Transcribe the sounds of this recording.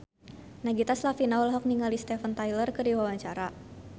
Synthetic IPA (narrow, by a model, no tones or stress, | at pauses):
naɡit̪aslafinawlɦɔk̚niŋalist̪ɛfənt̪ajlərkɨrdiwawaɲt͡ʃaɾa